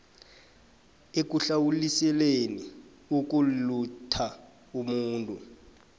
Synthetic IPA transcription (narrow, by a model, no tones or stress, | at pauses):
ek̬uɬawulisɛleni | ok̬ʼulutʰa | umuːntʼu